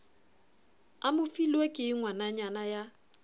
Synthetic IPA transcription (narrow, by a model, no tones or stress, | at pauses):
amʊfilwekʼɪŋwanaɲanaja